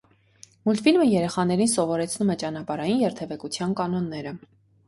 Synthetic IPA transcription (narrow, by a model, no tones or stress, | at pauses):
mult̪filməjɛɾɛχɑn̪ɛɾins̬ɔvɔɾɛt͡sʰnumɛt͡ʃɑnɑpɑɾɑjinjɛɾt̪ʰɛvɛkut͡sʰjɑnkɑnɔnːɛɾə